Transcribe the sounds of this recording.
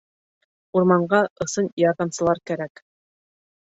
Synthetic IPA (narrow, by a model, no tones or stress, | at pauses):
uɾmɑɴɢɑʔɤ̆sɤnjɑɾðɑmsɤ̆lˠɑɾkæɾæk